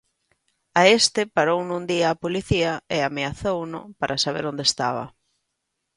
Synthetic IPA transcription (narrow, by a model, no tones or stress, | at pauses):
aest̪ɪpaɾownũnd̪iɐːpoliθiɐɪameaθownʊ̰paɾʔasaβ̞ḛɾond̪est̪aβ̞ɐ̰